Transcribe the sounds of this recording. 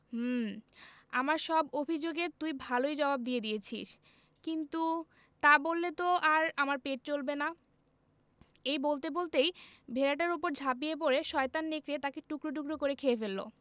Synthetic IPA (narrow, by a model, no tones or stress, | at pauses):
m̩ | amaɾʃɔbobʱid͡ʑoɡet̪ujbʱalojd͡ʑɔbab̚d̪ijed̪ijet͡ɕʰḭʃ | kint̪u | t̪abolːet̪oʔaɾamaɾpeʈ̚t͡ɕolbena | ejbolt̪ebolt̪ejbʱeɾaʈ̬aɾopoɾd͡ʑʱap̬iep̬oɾeʃɔet̪anːekɾet̪akeʈukɾoʈ̬ukɾokoɾekʰeefelːo̰